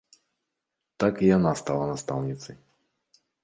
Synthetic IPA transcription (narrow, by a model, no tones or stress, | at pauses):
t̪akijanast̪awanast̪awɲit̪sɨ